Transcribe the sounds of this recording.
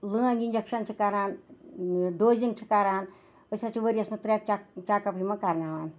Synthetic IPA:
lɨãɡinʲd͡ʒɐkʃɐnt͡ʃʰikaɾaːn | ɖoːziŋɡt͡ʃʰi̥kaɾaːn | əsʲat͡ʃʰiʋəɾʲjɐsmɐt̪ɾek̚t͡ʃt͡ʃaːkɐpimɐkaɾnaːʋaːn

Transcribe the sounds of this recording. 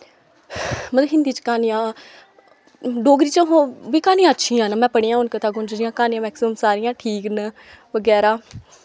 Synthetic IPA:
mət̪ləbɦɪ̃nd̪iːt͡ʃkaːnijãː | ɖoːɡɾiːt͡ʃəɦõːʋiːkaːnijãːətːʃʰiːãːnamɛ̃ːpəɽiːãːʊnkət̪aːɡʊnd͡ʒɾɪjãːkaːnijãːmɛːksɪməmsaːɾɪjãːʈʰiːknə | ʋəɡɛːɾaː

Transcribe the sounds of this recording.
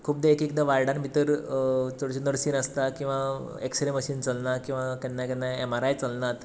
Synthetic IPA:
kʰuːp̚d̪eekek̚d̪aʋaɾɽanmit̪əɾt̪oɽt͡ɕinəɾsiːnəst̪akĩw̃ʋaeksɾeməɕiːnt͡səlnakĩw̃ʋak̪ɛnːakɛnːaemaɾajt͡səlnat̪

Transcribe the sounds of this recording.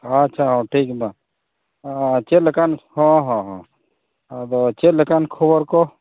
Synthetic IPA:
at͡ʃʰaɦɔ̃ʈʰiːkba | t͡ʃelkanhɔ̃ɦɔ̃ɦɔ̃ | d̪ot͡ʃelkankʰobəɾko

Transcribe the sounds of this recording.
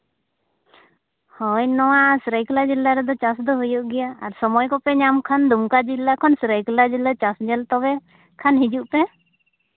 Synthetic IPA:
hɔjnɔwaʔsɾəjklad͡ʒilːaɾɛd̪ɔt͡ʃasd̪ɔɦujɔʔɡɛjaːɾsɔmɔjkɔpɛɲamkʰand̪umkad͡ʒilːakʰɔnsɾəjklad͡ʒilːat͡ʃasd͡ʒɛlt̪ɔbɛ | kʰanɦid͡ʒuʔpɛ

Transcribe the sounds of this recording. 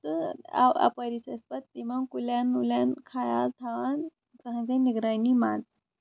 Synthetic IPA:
t̪əa̰a̰pəɾisəspət̪ːiʋaŋkuljanuljankʰajalt̪ʰaʋan | kəɦãd͡zeniɡɾajnima̰t͡s

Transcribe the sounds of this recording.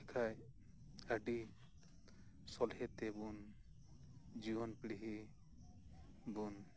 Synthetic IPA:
ɛkʰaj | aɖi | sɔlhɛt̪ebun | d͡ʒiwɔnpiɽiɦi | bun

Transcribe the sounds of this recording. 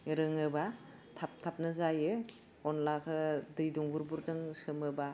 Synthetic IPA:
ɾɯŋɯba | tʰap̚tʰap̚nɯzajɯ | ɔnlakʰɯdɯjduŋbuɾbuɾzɯŋsɯmɯba

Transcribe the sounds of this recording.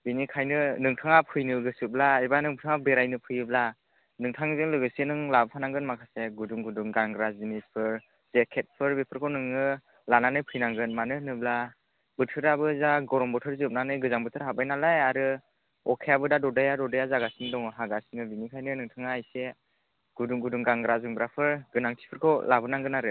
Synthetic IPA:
binikʰajnɯnɯŋtʰaŋapʰɯjnɯɡɯsɯb̚laibanɯŋbɯtʰɯŋabeɾajnɯpʰɯjɯbla | nɯŋtʰaŋzɯŋlɯɡɯsenɯŋlabpʰanaŋɡɯnmakʰaseɡuduŋɡuduŋɡaŋɡɾazinispʰɯɾ | zekʰet̚pʰɯɾbepʰɯɾkʰɯnɯŋːɯ | lananɯjpʰɯjnaŋɡɯnmanɯnɯbla | bɯtʰɯɾabɯzaɡɔɾɔmbɔtʰɯɾziɯp̚nanɯjɡɯzaŋbɯtʰɯɾɦabajnalajaɾɯ | ɔkʰejabɯdadɔdajadɔdajazaɡasiŋdɔŋɦaɡasiŋɯbinikʰajnɯnɯŋtʰaŋaːjse | ɡ̥uduŋɡuduŋɡaŋɡɾazɯŋbɾapʰɯɾɡɯnaŋtʰi̥pʰɯɾkʰɔwlʔabɯnaŋɡɯnaɾɯ

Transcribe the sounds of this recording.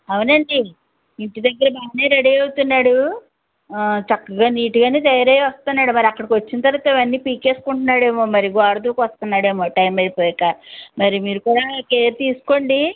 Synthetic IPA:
ɐʋunɐɳɖi | iɳʈid̪ɐɡːɐɾɐbaːneːɾɐɽijɐwut̪unːaːɽu | t͡ʃɐkːɐɡaːniːʈuɡaːneːt̪ɐjɐɾɐːjʋɐst̪unːaːɽumɐɾiɐkːɐɽɐkʋɐt͡ʃːinɐt̪ɐɾɐʋat̪ɐiʋɐnːiːpiːke̞ːsu̥kuɳʈunːaːɽe̞ːmoːmɐɾiɡaːɾɐd̪uːkʋɐst̪unːaːɽe̞ːmoːʈɐjmɐɾipoːjɐkːamɐɾimiːɾukuːɽaːkeːɾt̪iːsu̥ko̞ːɳɖi

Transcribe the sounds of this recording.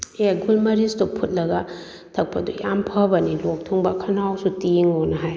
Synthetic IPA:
aɡulmɐɾistupʰut̚lɐɡa | tʰɐk̚pʰadujampʰɐbɐnilɔk̚tʰuŋbakʰɐnawsutiŋɔnɐɦaj

